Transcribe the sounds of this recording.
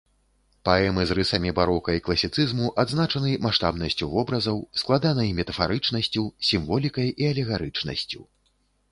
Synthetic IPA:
paɛmɨzrɨsɐmʲibaɾɔkɐiklˠɐsʲit̪sɨzmuʔad̪znat͡ʂɐnɨmaʂt̪a̰bnɐsʲt͡sʲuvɔbɾɐzɐwsklˠad̪anɐjmʲɛt̪ɐfaɾɨt͡ʂnɐsʲt͡sʲusʲimvɔlʲikɐjʔiɐlʲɛɣaɾɨt͡ʂnɐ̰sʲt͡sʲṵ

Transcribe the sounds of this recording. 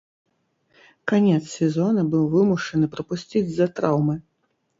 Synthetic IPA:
kanʲɛt̪ssʲɛzɔnɐbɨwvɨmuʂɐnɨpɾɐpusʲt͡sʲid͡zʲzɐt̪ɾawmɨ

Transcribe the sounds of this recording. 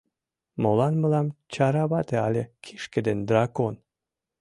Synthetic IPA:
molɑnməlɑmt͡ɕɑɾɑβɑt̪eɑlʲekʰiʃked̪end̪rɑkon

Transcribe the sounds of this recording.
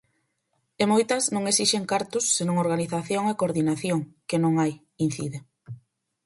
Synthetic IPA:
emojt̪ɐznõŋesiʃeŋkaɾt̪ʊsːenõŋoɾɣaniθaθjoŋekoɾðinaθjoŋkenõŋaj | in̟θḭðe

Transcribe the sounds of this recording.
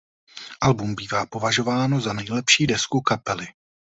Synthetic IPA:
ʔalbumbiːvaːpo̞vaʒo̞vaːno̞zanɛjlɛpʃiːdɛskukapɛlɪ

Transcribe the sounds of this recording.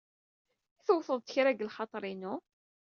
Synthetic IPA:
θəwθəðˤt̪əçɾæɡəlχɑt̪ˤɾˤinu

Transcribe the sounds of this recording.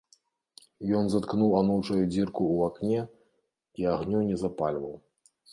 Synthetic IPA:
jɔnzat̪knuwanuwt͡ʂɐjud͡zʲirkuːaknʲɛ | iaɣnʲunʲɛzapalʲvɐw

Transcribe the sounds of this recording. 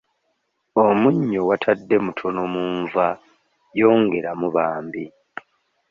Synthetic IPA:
o̞muɲːo̞watʰadːe̞mutʰo̞no̞muːɱva | jo̞ːŋɡe̞ɾamuβaːmbi

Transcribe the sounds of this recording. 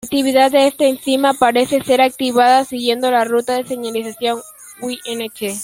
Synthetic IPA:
ak̚t̪iβ̞iðaðd̪eest̪aːnθimapaɾe̞se̞se̞ɾak̚t̪iβaðasiɣje̞nd̪o̞larut̪aðe̞se̞ɲalisasjo̞ŋ | wiʔenet͡ʃe

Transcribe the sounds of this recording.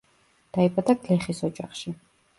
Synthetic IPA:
d̪̥aibad̪aɡlɛχisɔd͡ʒaχʃi

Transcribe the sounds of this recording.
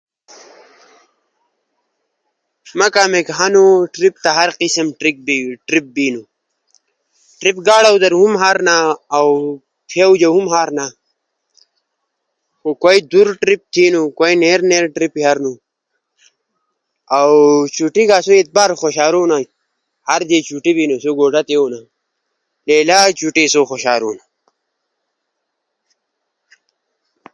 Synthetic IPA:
mɐkaːmekɦanuʈɾip̚t̪aɦɐɾqisəmʈɾik̚biʈɾip̚biːnu | ʈɾipɡaːɽawd̪ɐɾɦumɦaːɾnaːw | tʰewd͡ʑɐɦumɦaːɾna | xokojd̪uɾʈɾip̚t̪ʰiːnukoineɾneːɾʈɾipiɦaɾnu | awt͡ɕuʈiɡaːsoit̪̚baːɾxoɕaːɾuːna | haɾd̪et͡ʃuʈibinusoɡoːɖat̪euna | leːlaːt͡ɕuʈisoxoɕaːɾuːna

